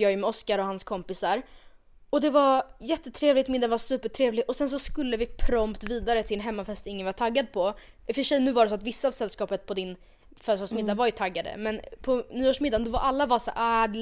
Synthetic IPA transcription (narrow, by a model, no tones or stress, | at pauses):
jɑːɡjɵmɛɔskaɾɔhanskʰɔmpɪsaɾ | ɔd̪ɛvajɛt̪ːət̪ʰɾeːvlɪt̪mɪd̪avasʉ̟ːpəʈʰɾeːvlɪʔɔsɛns̬ɔskɵlːəvɪpʰɾɔmpt̪viːd̪aɾət̪ʰɪlɛnɦɛmːafɛst̪ɪŋːənvat̪ʰaɡːad̪̚pʰɔfəʂɛjnʉ̟ːvaɖɛs̬ɔat̪vɪsːaːvsɛlːskɑːpət̪̚pʰɔd̪ɪn | fœːsɔʂmɪd̪ːavaɾjɵt̪ʰaɡːad̪ə̰mɛnpʰɔnyːoːʂmɪd̪ːand̪ɔvaɾʔalːabaːsa̰a